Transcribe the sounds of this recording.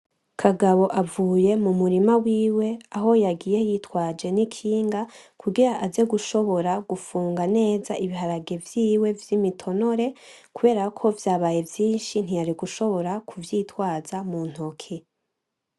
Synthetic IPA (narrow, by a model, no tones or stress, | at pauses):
kʰaɡaβo̞ʔavuːje̞mumuɾimawiːwe̞aɦo̞jaɡiːje̞jitwaːd͡ʒe̞nikʰiːŋɡakʰuɡiɾaʔaze̞ɡuʃo̞βo̞ɾaɡ̥ufuːŋɡane̞ːzaʔiβiɦaɾaɡe̞vjiːwe̞vjimitʰo̞no̞ɾe̞ | kuβe̞ːɾakʰo̞vjaːβaːje̞vjiːnʃin̥ijaɾiɡuʃo̞βo̞ɾakʰuvjiːtwaːzamun̥okʰe